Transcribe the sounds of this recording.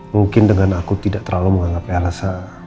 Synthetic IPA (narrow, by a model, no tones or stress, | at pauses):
muŋkɪndəŋanakut̪idaʔt̪ərlaluməŋaŋɡapalasa